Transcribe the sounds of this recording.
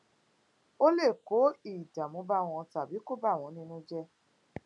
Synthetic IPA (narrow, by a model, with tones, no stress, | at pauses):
o˦le˦˨ko˨˦i˨da˨mũ˨˦ba˦˨w̃ɔ̃˧ta˨bi˨˦ko˦˨ba˦˨w̃ɔ̃˨˧˦nĩ˧nũ˦d͡ʒɛ˦